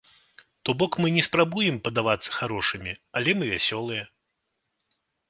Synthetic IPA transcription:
t̪ɔbɔkmɨnʲɛspɾabujɛmpɐd̪avat̪sːɐ̥xaɾɔʂɨmʲialʲɛmɨvʲasʲɔlˠɨjɛ

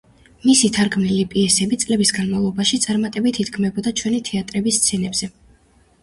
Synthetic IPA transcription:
misit̪ʰaɾɡmnilipʼiɛsɛbit̪sʼlɛbisɡanmavlˠɔbaʃit̪sʼaɾmat̪ʼɛbit̪ʰid̪ɡmɛbɔd̪at͡ʃʰwɛnit̪ʰɛat̪ʼɾɛbist̪sʰɛnɛbz̥ɛ

